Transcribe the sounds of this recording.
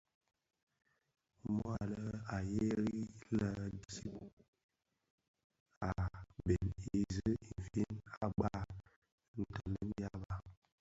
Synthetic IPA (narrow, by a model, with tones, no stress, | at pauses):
mɔ˦a˨lə˦a˨je˦ɾi˦lə˨dsi˦p̚ | a˨be˨ni˨zə˦i˨fi˦na˨ɡ͡ba˦˨ | n̩˨tɔ˨ndə˦n˦ja˦ba˦